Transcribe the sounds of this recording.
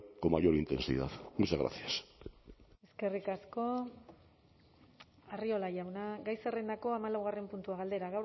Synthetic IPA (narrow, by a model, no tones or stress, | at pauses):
komajo̞ɾint̪e̞nsḭða̰ðmuseɣɾa̰θias | e̞ske̞rikasko̞ | ario̞laʝawnaɡajserend̪ako̞amalawɣare̞mpunt̪uaɣald̪e̞ɾaɣaw